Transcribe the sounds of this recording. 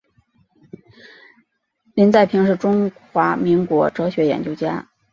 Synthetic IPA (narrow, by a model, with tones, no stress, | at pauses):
li˧˥nt͡sa˥˩ɪpʰi˧˥ŋʂɻ̩˥˩ʈ͡ʂʊ˥ŋxwa˧˥mi˧˥ŋkwɔ˧˥ʈ͡ʂɤ˧˥ɕɥɛ˧˥jɛ̰˨˩nt͡ɕjo˥ʊt͡ɕja̰˥